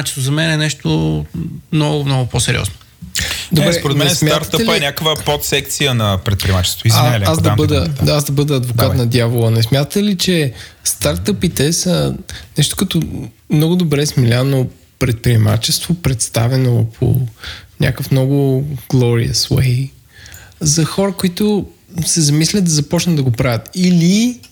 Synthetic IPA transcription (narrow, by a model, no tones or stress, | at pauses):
at͡ʃt̪ozɐmɛnɛnɛʃt̪o | mnɔɡʊmnɔɡʊposɛɾʲḭɔ̰zno | d̪obɾɛspoɾɛd̪ɛɛnɛsmjaaɾt̪əɛlnʲakəvəpɔt̪sɛkt̪sijənɐpɾɛt̪pɾʲiɛmat͡ʃɛ̥st̪oizaaasd̪ɐbəd̪əazd̪ɐbəd̪əːd̪vokat̪nɐd̪javolˠənɛsmʲjat̪ət̪ɛlit͡ʃɛst̪aɾt̪əpit̪ɛsənɛʃt̪ʊ̥kɐt̪omnɔɡʊd̪obɾɛsmilʲano | pɾɛt̪̚pɾiɛma̰t͡ʃɛst̪vopɾɛt̪st̪avɛnopʰo̰nʲa̰kəfmnɔɡʊɡ̥lˠɔɾḭə̰swɛ̰j | zɐxɔɾəkoit̪osɛzɐmislʲət̪̚d̪ɐzɐpɔt͡ʃnəd̪d̪ɐɡopɾavət̪ili